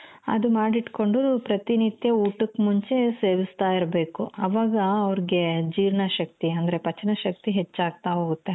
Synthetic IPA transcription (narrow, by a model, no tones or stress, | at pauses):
ɐ̰d̪umaːɽiʈko̞ɳɖupɾɐt̪init̪jɐuːʈukːmuɲt͡ʃe̞seːʋist̪aːiɾbe̞ːkuɐʋaːɡɐːʋɐɾiɡe̞d͡ʒiːɾɳɐʃɐk̚t̪iɐnd̪ɐɾe̞pɐt͡ʃːɐnɐʃɐk̚t̪iɦet͡ʃːaːɡ̚t̪aɦoːɡut̪ːe